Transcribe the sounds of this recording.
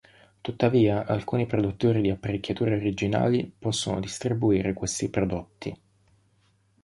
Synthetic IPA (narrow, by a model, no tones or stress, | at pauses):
t̪ut̪ːaviːaʔalkuːnipɾod̪ut̪ːoːɾid̪iapːaɾikʲːjat̪uːɾeoɾid͡ʒina̰ːlipɔsːono̰d̪ist̪ɾibuiːɾekwest̪ipɾod̪ot̪ːi